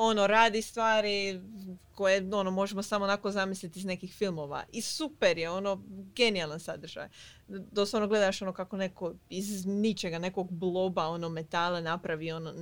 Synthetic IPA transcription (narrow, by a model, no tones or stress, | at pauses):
o̞no̞ɾaːd̪ist̪ʋaːɾi | ko̞jeo̞nomo̞ʒemosamo̞ːnako̞zamislʲit̪izne̞kixfilˠmo̞ʋa̰ʔisupeɾjeo̞no̞ɡe̞nijalˠansad̪r̩ʒ̥a̰j | d̪osano̞ɡle̞d̪aʃo̞no̞kako̞ne̞ko̞iznit͡ʃeɡane̞ko̞ɡblˠo̞bao̞no̞me̞t̪alˠanapɾaʋio̞no